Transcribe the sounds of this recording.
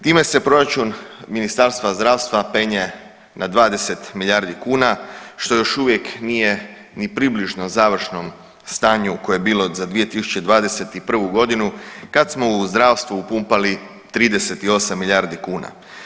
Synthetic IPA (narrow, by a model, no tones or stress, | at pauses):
t̪iːme̞se̞pɾo̞ɾat͡ʃunminist̪aɾst̪ʋazd̪ɾaːʋst̪ʋape̞ɲe | nad̪ʋaːd̪e̞se̞t̪miʎʲaːɾd̪ikuːnaʃt̪o̞jo̞ʃuʋje̞knije̞ | nipɾibliʒno̞zaːʋr̩ʃno̞m | st̪aːɲuko̞joebiːlo̞zad̪ʋije̞t̪isu̥t͡ʃt͡ɕe̞d̪ʋaːd̪e̞se̞t̪ipr̩ʋuɡo̞d̪inukad̪smo̞uzd̪ɾaːʋst̪ʋuupumpali | t̪ɾiːd̪e̞se̞t̪io̞samːiʎʲaːɾd̪ikuːna̰